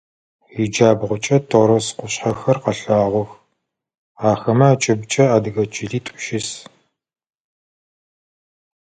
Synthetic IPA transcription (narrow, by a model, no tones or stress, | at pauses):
ɪd͡ʒaːbʁʷʊt͡ʃʼɐtʰoɾɐsqʷʊɕħɐxɐrqɐɬaːʁʷɔx | aːxɐmɐat͡ʃʼɪbt͡ʃʼɐaːdɨɣɐt͡ʃʰʼɪɮiːtʷʼʊ̥ʃɪs